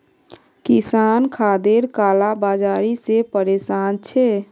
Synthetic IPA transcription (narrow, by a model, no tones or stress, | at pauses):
kisankʰad̪eɾkaːlabad͡ʒaɾisepəɾesant͡ʃʰe